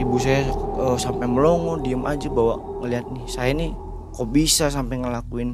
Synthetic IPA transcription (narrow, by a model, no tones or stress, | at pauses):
ibusajaəsampajməlɔŋɔdiəmʔad͡ʒabawa̰ʔ | ŋəliat̪̚nisajani | kobisas̬ampaŋəlakuɪn